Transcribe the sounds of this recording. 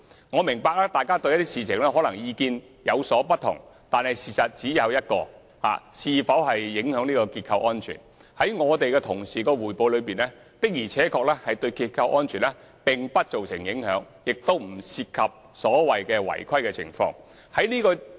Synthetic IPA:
ŋɔː˨˧mɪ˨˩ŋpaː˧k̚lɛː˥t̪aː˨jkaː˥t̪ɵ˧jɐ˥t̪iː˥siː˨t͡sʰɪ˨˩ŋlɛː˥ɦɔː˨˥lɐ˨˩ŋjiː˧kiː˧n | jɐ˨˧wsɔː˨˥pɐ˥t̚t̪ʰʊ̰˨˩ŋ | t̪aː˨nhɐ˨jsiː˨˩sɐ˨t̚t͡siː˨˥jɐ˨˧wjɐ˥t̚kɔː˧ | ha̰ː˨siː˧fɐ˨˥wɦɐ˨jːɪ˨˥ŋhœː˨˥ŋniː˥kɔː˧kiː˧t̚kʰɐ˧wʔɔː˥nt͡ʃʰy̰ː˨˩n | hɐ˨˥jŋɔː˨˧t̪e˨jkɛː˧t̪ʰʊ˨˩ŋsiː˨kɔː˧wuː˨˩jpo˨˧wlɵ˨˧piː˨nɛː˥ | t̪ɪ˥k̚jiː˨˩t͡sʰɛː˨˥kʰɔː˧k̚lɛː˥hɐ˨jt̪ɵ˧ɥkiː˧t̚kʰɐ˧wʔɔː˥nt͡ʃʰyː˨˩nlɛː˦˥ | pɪ˨ŋpɐ˥t̚t͡so˨wsɪ̰˨˩ŋjɪ˨˥ŋhœː˨˥ŋ | jɪ˨k̚t̪o˥wm̩˨˩siː˧t̚kʰɐ˨p̚ | sɔː˨˥wɐ˨jkɛː˧wɐ̰˨˩jkʰɐ˥jkɛ˧t͡sʰɪ̰˨˩ŋfɔ̰ː˧˥ŋ | hɐ˨˥jniː˥kɔː˧

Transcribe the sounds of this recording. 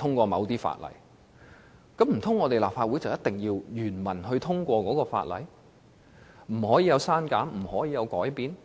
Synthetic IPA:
t̪ʰʊ˥ŋkʷɔː˧mɐ̰˨˧wt̪iː˥fa̰ː˧t̚lɐ̰˨˩j | kɐ˨˥m̩˨˩t̪ʰʊ˥ŋːɔː˨˧t̪e˨jlaː˨p̚faː˧uː˨˥jt͡sɐ˨wjɐ˥t̪̚t̪ɪ˨ŋjiː˧wjyː˨˩nmɐ˨˩nɦɵ˧t̪ʰʊ˥ŋkʷɔː˧kɔː˨˥kɔː˧fa̰ː˧t̚lɐ̰˨˥j | m̩˨˩hɔː˨˥jiː˧jɐ˨˧wsaː˥nkaː˨˥mm̩˨˩hɔː˨˥jiː˨˧jɐ˨˧wkɔː˨˥jpiː˨n

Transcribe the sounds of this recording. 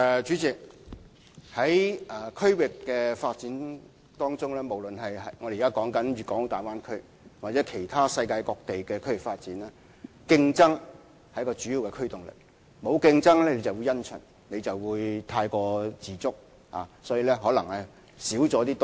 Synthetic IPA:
t͡ʃyː˨˥t͡sɪ˨˩k̚ | hɐ˨˥jʔɛː˨˩kʰɵ˥ɥwɪ˨kːɛː˧faː˧t̚t͡siː˨˥n | t̪ɔː˥ŋt͡sʊ˥ŋlɛː˥mo˨˩wlɵ˨nɦɐ˨jɦɐ˨ŋɔ˨˧deː˨˩˨kaː˥kɔː˨˥ŋkɐ˨˥nɥyː˨˩kɔː˨˥ŋ˧t̪aː˨˩jwaː˥nkʰɵ˥ɥ | wa˨t͡sɛː˨˥kʰe˨˩jt̪ʰaː˥sɐ˧jkaː˧jkɔː˧k̚t̪e˨jkɛː˧kʰɵ˥ɥwɪ˨˩kfaː˧t̚t͡siː˨˥nlɛː˥ | kɪ˧ŋt͡sɐ˥ŋ | hɐ˨˦jkɔː˧t͡ʃyː˨˥jiː˨˧wkɛ˧kʰɵ˥t̪ʊ˨ŋlɪ̰˨˩k̚ | mo˨˧wkɪ˧ŋt͡sɐ˥ŋlɛː˥ne˨˧jt͡sɐ˨˩wuː˨˧jɐ˥nt͡ʃʰɵ̰˨˩n | ne˨˧jt͡sɐ˨wwuː˨˧jt̪ʰaː˧jkɔː˧t͡siː˨˩t͡sʊ˥k̚ | ha̰ː˨˩sɔː˨˥ji˨˧lɛ˥ɦɔː˨˥lɐ˨˩ŋlɛ˨˥ | siː˨˥wt͡sɔː˨˥t̪iː˥t̪

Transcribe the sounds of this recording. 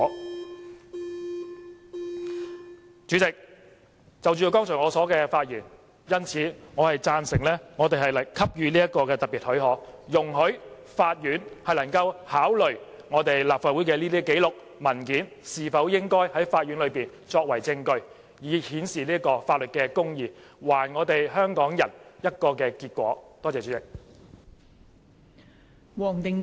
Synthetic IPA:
ɔː˨˥ | t͡ʃy˨˥t͡sɪ˨k̚ | t͡sɐ˨wt͡ʃyː˨˧jkɔː˥ŋt͡sʰɔ˨˩ŋɔː˨˧sɔː˨˥kɛː˧faː˧t̚jyː˨˩n | jɐ˥nt͡sʰiː˨˥ŋɔː˨˧hɐ˨jt͡saː˧nsɪ˨˩ŋlɛː˥ŋɔː˨˧t̪e˨jhɐ˨jlɐ˨kʰɐ˥p̚jyː˧liː˥jɐ˥t̚kɔː˧kɛː˧t̪ɐ˨t̚pːiː˨t̚hɵ˨˥ɦɔː˨˥kjʊ˨˩ŋɦɵ˨˥ɥ | faː˧t̚jyː˨˥nhɐ˨jlɐ˨˩ŋkɐ˧whaː˨˥wlɵ˨˩ɥ | ŋɔː˨˧t̪e˨jlaː˨p̚faː˨t̚wu˨˥jkɛː˧liː˥t̪iː˥ke˨˥jlʊ˨k̚ | mɐ˨˩nkiː˨˥n | siː˨fɐ˨˥wjɪ˥ŋkɔː˥jhɐ˨˥jfaː˧t̚jyː˨˥nlɵ˨˧ɥpiː˨˩n | t͡ʃɔː˧k̚wɐ˨˩jt͡sɪ˧ŋkɵ˧ɥ | jiː˨˧hiː˨˥nsiː˨liː˥ɐ˥kɔː˧faː˧t̚lɵ˨t̚kɛː˧kʊ˥ŋjiː˨˧waː˨˩nŋɔː˨˧t̪e˨jɦœː˥ŋkɔː˨˥ŋjɐ˨˩njɐ˥t̚kɔː˧kɛː˧kiː˧t̚kʷɔ̰ː˨˥t̪ɔː˥t͡sɛː˨t͡ʃyː˨˥ɪ˨k̚ | wɔː˨˩ŋt̪ɪ˨˧ŋ

